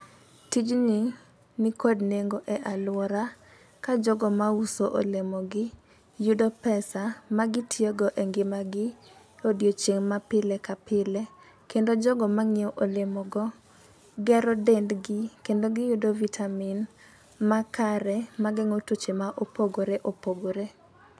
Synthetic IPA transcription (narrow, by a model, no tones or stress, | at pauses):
tid͡ʒni | nikodneŋɡoʔɛʔalwɔɾa | kad͡ʒɔɡɔmausoʔo̰lemɔɡɪ | judopɛsamaɡɪtʰjeɡɔʔeŋɡɪmaɡɪ | odjot͡ʃeŋmapɪlɛkapɪlɛ | kendod͡ʒɔɡɔmaŋɪɔʔolemɔɡɔ | ɡɛɾɔdendɡɪkendoɡɪjudovitʰamin | makaɾɛmaɡɛŋotot͡ʃemaʔopoɡoɾeʔopoɡoɾe